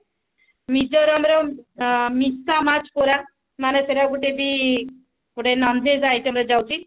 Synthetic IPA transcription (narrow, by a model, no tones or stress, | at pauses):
mid͡ʒɔɾɔmɾɔ | misamat͡ʃkoɾa | maneseɾaɡuʈebi | kuʈenɔnd̪ʱezajtɔmɾɔd͡ʒawt͡ʃʰi